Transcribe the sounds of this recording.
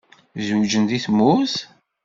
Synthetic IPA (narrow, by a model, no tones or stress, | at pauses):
zud͡ʒənd̪iθmuθ